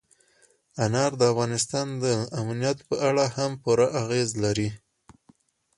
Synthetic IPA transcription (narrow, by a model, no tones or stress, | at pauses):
anɑɾd̪əafɣɑnɪs̬t̪ɑnd̪əamnijat̪pəʔaɽahampuɾaʔaɣezlaɾi